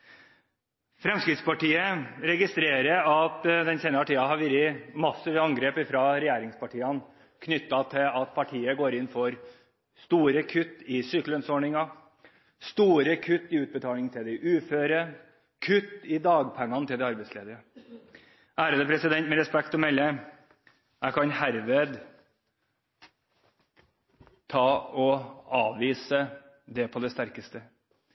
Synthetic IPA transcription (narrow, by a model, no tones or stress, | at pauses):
fɾɛmskɾɪt̪spɑʈiːəɾɛɡɪst̪ɾeːɾəɾɑt̪d̪ɛnseːnɑɾt̪ʰiːɑɦɑɾʋɪɾɪmɑsːɪʋɑŋɡɾeːpɪfɾɑɾɛjæːɾɪŋspɑʈʰiːɑn | kʰnʏt̪ːɑt̪ʰɪlɑt̪̚pʰɑʈʰiːəɡoːɾɪnfɔɾ | st̪uːɾəkʰʉt̪ːɪsʏklənsɔɳɪŋɑ | st̪uːɾəkʰʉt̪ːɪʉːt̪̚bət̪ʰɑːlɪŋt̪ʰɪld̪ɛʔʉːføːɾə | kʰʉt̪ːɪd̪ɑːɡpʰɛŋːɑnət̪ʰɪld̪ɛɑɾbɛɪtsleːd̪əɾə | ʔæːɾəd̪əpʰɾɛsɪd̪ɛnt̪mɛɾɛspɛkt̪ɔmɛlːə | æɪkʰɑnhæɾʋeːd̪ | t̪ʰɑːɔɑːʋʋiːsə | d̪ɛpʰɔd̪ɛst̪æɾkəst̪ə